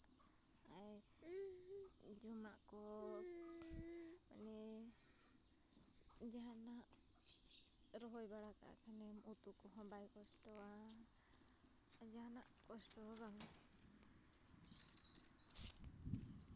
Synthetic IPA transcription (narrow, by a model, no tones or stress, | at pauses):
aj | d͡ʒumaʔkɔ | anɛ | d͡ʒaɦana | ɾɔɦɔjbaɽaka̰kʰanɛmut̪ukɔɦɔ̃bajkɔst̪ɔwa | d͡ʒaanaʔkɔst̪ɔɾaŋ